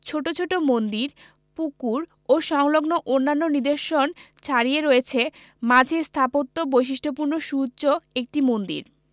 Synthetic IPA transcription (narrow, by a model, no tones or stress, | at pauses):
t͡ɕʰoʈot͡ɕʰoʈomond̪iɾ | pukuɾ | oʃɔŋloɡnoʔonːanːonid̪eɾʃont͡ɕʰaɾieɾoet͡ɕʰe | mad͡ʑʱest̪ʰapot̪ːobojʃ̬iʃʈʰopuɾnoʃutːɕoek̚ʈimond̪ḭɾ